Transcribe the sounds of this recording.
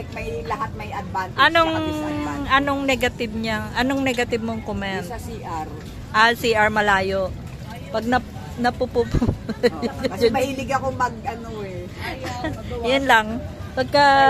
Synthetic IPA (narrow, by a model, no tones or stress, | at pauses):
k̚mɐjlɐɦat̪̚mɐjʔɐd̪̚vansɐnoŋ | ʔɐnoŋnɛɡɐt̪ɪb̚ɲaŋʔɐnoŋnɛɡɐt̪ɪb̚moŋkomɛntɐsiʔaɾ | ʔɐlsiʔɐɹmɐlaːjoʔ | pɐɡ̚nɐ | nɐpupupu | d͡ʒd͡ʒɐmɐʔilɪɡɐkomɐɡ̚ʔɐnoɛ | jʊnlɐŋ | pɐɡ̚kɐ